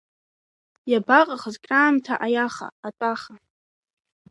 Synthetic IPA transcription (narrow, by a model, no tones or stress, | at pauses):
jabaqʼaχəzkʼraːmtʰaʔajaχa̰ːtʼaχa